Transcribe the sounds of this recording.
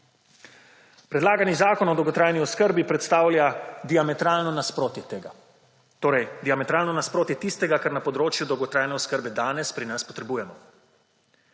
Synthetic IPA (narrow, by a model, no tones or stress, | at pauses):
pɾɛd̪laːɡanizaːkɔnɔd̪ɔwɡɔt̪ɾaːjniɔskəɾbipɾɛt̪st̪aːwlʲjad̪iamɛt̪ɾaːlnɔnaspɾoːt̪jɛt̪eːɡa | t̪oːɾɛjd̪iamɛt̪ɾaːlnɔnaspɾoːt̪jɛt̪ist̪ɛɡakaɾnapɔd̪ɾoːt͡ʃjud̪ɔwɡɔt̪ɾaːjnɛɔskəɾbɛd̪aːnɛspɾinaspɔt̪ɾɛbuːjɛmɔ